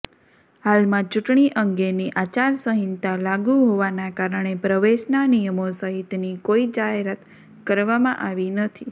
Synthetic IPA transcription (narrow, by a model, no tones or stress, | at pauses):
halmãt͡ʃuʈɳiʔəŋɡeniʔat͡ʃaɾsəɦint̪alaɡuɦoʋanakaɾəɳ̃epɾəʋeʃnanijəmosəɦit̪nikoid͡ʒaɦeɾat̪ | kəɾʋamã̰ʔaʋinət̪ʰi